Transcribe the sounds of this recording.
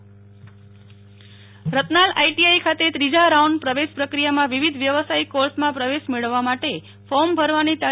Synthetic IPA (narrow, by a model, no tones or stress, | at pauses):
ɾət̪nalaiʈiajkʰat̪et̪ɾid͡ʒaɾauɳɖpɾəʋeʃpɾəkɾijamãʋiʋid̪ʱʋjəʋəsaikoɾsmãpɾəʋeʃmeɭəʋːamaʈe | fɔmbʱəɾʋanit̪a